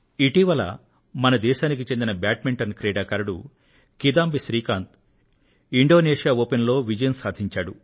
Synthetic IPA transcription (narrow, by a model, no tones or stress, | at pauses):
iʈiʋɐlɐ̰ | mɐnɐd̪ɛːʃaːnik̬it͡ʃe̞nd̪inɐbaːʈmiɳʈɐnkɾeːɽaːkɐɾɐɽṵ | kid̪aːmbiʃɾiːkaːnt̪ | iɳɖo̞ːneːʃijaːoːpenlo̞ːʋid͡ʒɐjɐnsaːd̪ʱiɲt͡ʃaːɽu